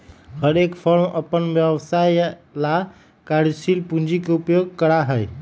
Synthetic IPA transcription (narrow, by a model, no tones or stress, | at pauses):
həɾekpʰoɾməpənʋjəʋsajla | kaɾsilpũnd͡ʒikeupjoɡ̚kəɾaɦəj